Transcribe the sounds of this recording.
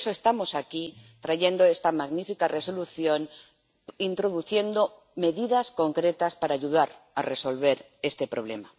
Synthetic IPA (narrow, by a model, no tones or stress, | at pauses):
soest̪amo̞sakit̪ɾaʝe̞nd̪oe̞st̪amaɣnifikare̞so̞luθjo̞n | int̪ɾo̞ðuθje̞nd̪o̞ | me̞ðiðasko̞ŋkɾe̞t̪aspaɾaːʝuðaɾa̰re̞so̞lβe̞ɾ | e̞st̪e̞pɾo̞β̞lḛma